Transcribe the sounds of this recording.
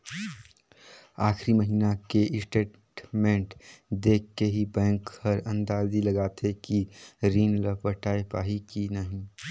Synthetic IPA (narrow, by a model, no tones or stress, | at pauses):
aːxʰɾiməɦiːnakeʔɪsʈeːʈ | ʈmẽːɳʈd̪eːkʰːeɦibɛ̃ːŋkhəɾɐ̃nd̪aːziləɡaːt̪ʰekiɾiːnləpəʈaːepaːɦikinəɦĩ